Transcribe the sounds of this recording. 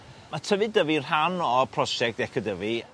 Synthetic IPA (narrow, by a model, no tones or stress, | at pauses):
matʰəvɨdəvir̥ɦanɔpʰrɔʃɛk̚td̥ɛkʰədəvi